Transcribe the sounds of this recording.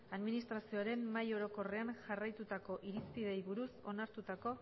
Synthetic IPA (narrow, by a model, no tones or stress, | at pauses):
aðminist̪ɾasio̞aɾe̞mːajo̞ɾo̞ko̞re̞anʝarajt̪ut̪ako̞ʔiɾispið̞e̞jβuɾuso̞naɾt̪ut̪ako̞